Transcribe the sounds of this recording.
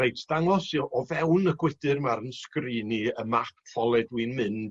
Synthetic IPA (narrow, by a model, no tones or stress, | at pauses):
ejtʰd̥aŋɔsiʔɔvɛwnəɡwɪd̥ɨrmaɾənskriːniəmakʰpʰɔlˠɛdwiːnmɨn